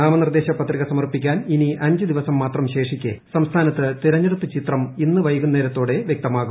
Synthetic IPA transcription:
aːmɐnird̪e̞ːɕɐpɐt̪riɣɐsɐmɐrpikʲːaːniniʔɐɲd͡ʑɨd̪iʋɐsɐmːaːt̪rɐmɕe̞ːʂikʲːesɐmst̪ʰaːnɐt̪ːɨt̪iɾɐɲːɐɽut̪ːɨt͡ɕit̪rɐminːɨʋɐjɐɣunːeːɾɐt̪ːoːɽe̞ʋjek̚t̪ɐmaːɣu

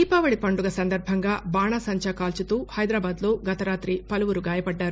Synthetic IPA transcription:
iːpɐːʋɐɽipɐɳɖuɡɐsɐnd̪ɐɾbʱɐŋɡaːbaːɳɐsɐɲt͡ʃɐkaːlt͡ʃut̪uːhɐjd̪ɾaːbaːd̪lo̞ːɡɐt̪ɐɾaːt̪ɾipɐluʋuɾuɡaːjɐpɐɖːaːɾu

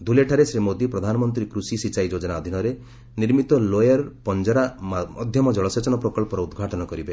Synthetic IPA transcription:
d̪ʱuleʈʰaɾesɾimod̪ipɾɔd̪ʱanɔmɔnt̪ɾikɾusisit͡ʃajd͡ʒod͡ʒɔnaɔd̪ʱinɔɾe | niɾmit̪ɔlojaɾpɔnd͡ʒɔɾamɔ̰d̪ʱjɔmɔd͡ʒɔɭɔset͡ʃɔnɔpɾɔkɔɭpɔɾɔud̪ɡʱaʈɔnɔkɔɾibe

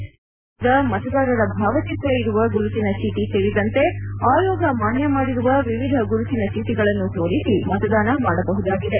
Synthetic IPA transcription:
d̪ɐmɐt̪ɐd̪aːɾɐɾɐbʱaːʋɐt͡ʃit̪ɾeiɾuʋɐɡuɾut̪inɐt͡ʃiʈiseːɭid̪ɐnt̪e̞aːjɔːɡɐmaːnjɐmaːɽiɾuʋɐʋiʋid̪ʱɐɡuɾut̪inɐt͡ʃiʈiɡɐɭɐnːut̪oːɾisimɐt̪ɐd̪aːnɐmaːɽɐbɐɦud̪aːɡid̪e̞

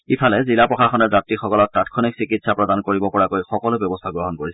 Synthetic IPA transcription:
ipʰalɛzilapɹɔxaxɔnɛɹzatɹixɔkɔlɔt̚tatkʰɔniksikitsapɹɔdankoɹibɔpɔɹakojxɔkɔlʊbjɔbɔst̪ʰaɡɹɔɦɔnkoɹisɛ

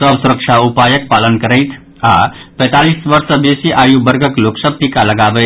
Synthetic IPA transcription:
əʋsuɾəkʃʰaupajək̚palənkəɾəjt̪ʰ | apɛ̃jt̪aliːsʋəɾsəbesiʔajubəɾɡʱəkloksəp̚t̪ikalɐɡaʋə

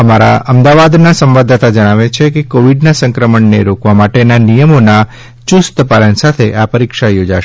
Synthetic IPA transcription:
əmaɾa̰əmd̪aʋad̪nasə̃mʋad̪at̪ad͡ʒəɽ̃aʋet͡ʃʰekekoʋiɖnasə̃ŋkɾəməɳneɾokʋamaʈenanijəmona | t͡ʃust̪əpalənsat̪ʰeʔapəɾikʃajod͡ʒaʃ

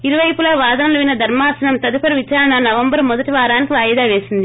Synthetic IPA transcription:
iɾuʋɐjpulɐːʋaːd̪ɐnɐlɐʋinːɐd̪ʱɐɾmaːsɐnɐmt̪ɐd̪upɐɾiʋit͡ʃaːɾɐɳɐnɐʋɐmbɐɾmɔd̪ɐʈiʋaːɾaːnikiʋaːjd̪aːʋeːsind̪i

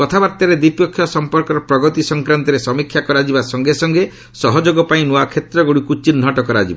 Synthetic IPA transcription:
kɔt̪ʰabaɾt̪aɾed̪ipjɔkʰːjɔsɔmpɔɾkɔɾɔpɾɔɡɔt̪isɔŋkɾant̪ɔɾesɔmikʰjakɔɾad͡ʒibasɔŋɡesɔŋɡe | sɔɦɔd͡ʒoɡɔpaĩnuakʰet̪ɾɔɡuɽikut͡ʃin̤ːɔʈɔkɔɾad͡ʒibɔ

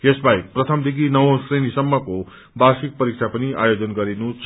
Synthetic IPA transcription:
jesbaj̚prʌt̪ʰʌmd̪ikinʌwõsrenisʌmːʌko | basik̚pʌɾik̚t͡sʰapʌniʔa̰jod͡zʌnɡʌɾinut͡sʰ

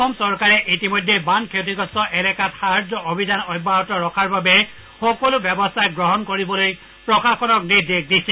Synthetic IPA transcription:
ɔmsɔɹkaɹɛʔitimojdʱːebankʰetiɡɔstɔʔɛlɛkatxaɹzɔʔobʱizanɔjbaɦɔtɔɹɔkʰaɹbabɛ | xɔkɔlʊbjɛbɔstʰajɡɹɔɦɔnkoɹibɔloj | pɹɔxaxɔnɔknidek̚disɛ

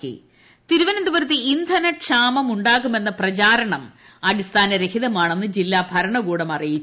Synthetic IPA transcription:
kḭ | t̪iɾuʋɐnɐnd̪ubɐɾt̪ːiind̪ʱɐnɐʈʂaːmɐmuɳɖaːɣume̞nːɐprɐt͡ɕaːɾɐɳɐm | ɐdist̪ʰaːnɐɾekʰiðɐmaːɳenːɨd͡ʑilːaːbʱɐɾɐɳɐɣuːɽɐmɐrijit͡ɕː

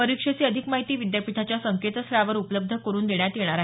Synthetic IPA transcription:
pəɾikʂesiːəd̪ʱikmaɦit̪iːʋid̪japit̪at͡ɕjasəŋket̪sɾaʋəɾupələb̚d̪ʱəkəɾuːnd̪eɳjat̪jeɽ̃aɾaɦe

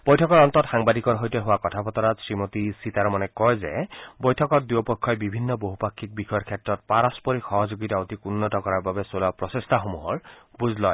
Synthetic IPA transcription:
b̥ojtʰɔkɔɹɔnt̪ɔtxaŋbadʱikɔnɦojtɔɦʊwakɔtʰapɔtɔɹatsɹimotisitaɹmɔnɛkɔjzɛ̰bojtʰɔkɔt̚duopɔkʰːɔjbibʱinːɔboɦupakʰːik̚bixɔjɔɹkʰɛtɹɔt̚paɹɔspɔɹixɔɦɔzoɡitaotikunːɔtɔkɔɹaɹbabɛsolapɹɔsestʰaxomuɦɔɹbuzʱlɔj

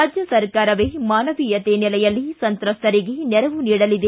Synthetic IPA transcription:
aːd͡ʒjɐsɐɾkaːɾɐʋemaːnɐʋijɐt̪eːnilɐjɐlːisɐnt̪ɾɐst̪ɐɾiɡenɛɾɐʋuniːɽɐlid̪e

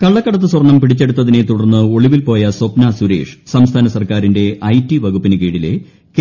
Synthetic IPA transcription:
kɐɭːɐkːɐɽɐt̪ːɨswɐrɳːɐmpiɽit͡ɕːe̞ɽut̪ːɐðine̞t̪uɽɐrnːɨo̞ɭiʋilpo̞ːjɐsopnaːsuɾḛːʂɨ̥sɐmst̪ʰaːnɐsɐrkaːɾinde̞ʔɐjtːiʋɐɡupːinɨkiːɽile̞̰ | k

